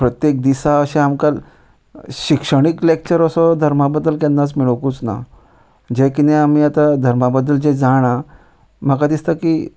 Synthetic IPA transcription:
pɾət̪jek̚d̪isaəɕẽamkal | ɕikʂəɳ̃iklek̚t͡ɕəɾəsɔd̪ʱəɾmabəd̪ːəlkɛnːat͡smiɭokut͡sna̰ | d͡ʑekineamiat̪ad̪ʱəɾmabəd̪ːəld͡ʑed͡zaɽ̃a | m̤əkad̪ist̪aki

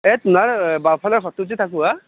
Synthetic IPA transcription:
ɛtʊnaɹbapʰalɔɹxɔtutit̪ʰakua

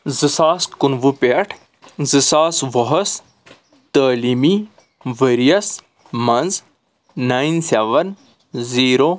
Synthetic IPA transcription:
zɨsaːskunʋupeʈʰ | zɨsaːsʋɔɦɐs | t̪aːlimi | ʋɐɾijɐs | mɐnzː | aːjnseʋɐn | ziːɾo

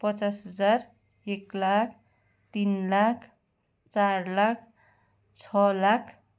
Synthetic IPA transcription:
pʌt͡sasɦʌd͡zar | eklakʰ | t̪inlakʰ | t͡sarlakʰ | t͡sʰʌlakʰ

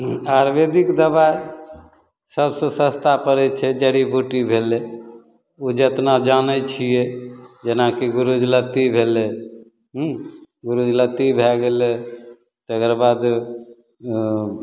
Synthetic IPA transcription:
aɾbed̪ikd̪əbae | səbsə̃sə̃st̪apəɾɛt͡ʃʰɛd͡ʒəɾibuʈibʱele | ud͡ʒət̪nad͡ʒanət͡ʃʰijɛd͡ʒenakiɡuɾud͡ʒlət̪ibʱele | ɦ | ɡuɾud͡ʒlət̪ibʱɛɡelɛ | t̪ekɾbad̪

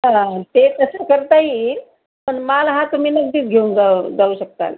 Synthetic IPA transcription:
at̪et̪əsəkəɾt̪ai | məɳmalɦãt̪um̤iːnəɡd̪iːt͡sɡʱeũŋd͡zad͡zauɕək̚t̪a̰l

